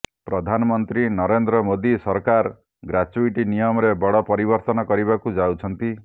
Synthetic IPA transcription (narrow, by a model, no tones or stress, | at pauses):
pɾɔd̪ʱanɔmɔnt̪ɾinɔɾend̪ɾɔmod̪isɔɾkaɾ | ɡɾat͡ʃuiʈinijɔmɔɾebɔɽɔpɔɾibɔɾt̪ɔnɔkɔɾibakud͡ʒawt͡ʃʰɔnt̪i